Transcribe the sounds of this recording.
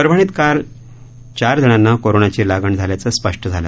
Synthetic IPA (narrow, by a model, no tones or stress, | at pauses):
əɾbʱəɳ̃it̪kal | t͡ɕaɾd͡z̪ʱiɳ̃anːakoɾoɳat͡ɕiːlaɡəɳd͡zʱaljat͡səspəʂʈʰəd͡zʱalə̰